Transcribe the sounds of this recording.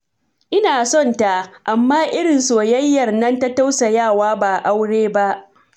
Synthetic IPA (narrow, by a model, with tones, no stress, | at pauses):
ʔɪ˦naː˨sɔ˦˨nta˨ʔʔa˨mːaː˦ʔɪ˦ɽɪ˨nsoː˨jɐ˦jːɐ˨rnɐ˦nta˦ta˦wsa˨jaː˦˨waː˦baː˨ʔa˦wɽeː˦ba˦ʔ